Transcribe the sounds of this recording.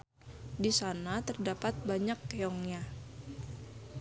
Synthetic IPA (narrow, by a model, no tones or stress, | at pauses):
disanat̪ərdapat̪̚baɲakːeɔŋɲa